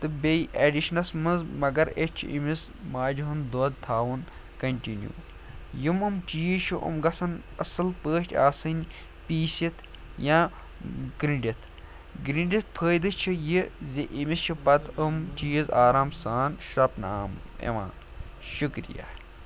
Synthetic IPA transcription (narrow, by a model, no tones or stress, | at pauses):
t̪ɨbejʔeɖiʃnɐsmɐnzmɐɡɐɾet͡ʃʰḭmis | maːd͡ʒuɦɨnd̪oːd̪̚t̪ʰaːʋun | kɐnʲʈinjṵː | jimɨmt͡ʃiːʃʰuʔṵmɡɐsɐnɐ̰sɨlpəːʈʲa̰ːsɨnʲ | piːsit̪ʰ | jãː | ɡɾiɳɖit̪ʰ | ɡɾiɳɖit̪̚pʰəːjd̪ɨt͡ʃʰijizʲeʔimist͡ʃʰipɐt̪ʰɨmt͡ʃiːjizaːɾaːmsaːnʃɾɐpnaːmḛʋã̰ː | ʃukɾḭja̰ː